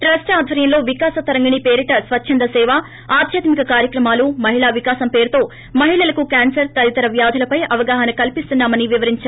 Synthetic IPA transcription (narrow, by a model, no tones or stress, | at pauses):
ʈɾɐsʈaːd̪ʱʋɐɾjɐmlo̞ːʋikaːsɐt̪ɐɾɐŋɡɐɳipeːɾiʈɐsʋɐtːʃʰɐnd̪ɐsɛːʋaː | aːd̪ʱjɐt̪mikɐkaːɾjɐkɾɐmaːlumɐɦiɭaːʋikaːsɐmpe̞ːɾut̪oː | mɐɦiɭɐlɐkukaːnsɐɾt̪ɐd̪it̪ɐɾɐʋjaːd̪ʱulɐpɐjɐʋɐɡaːɦɐnɐkɐlpist̪unːaːmɐniʋiʋɐɾiɲt͡ʃaːɾ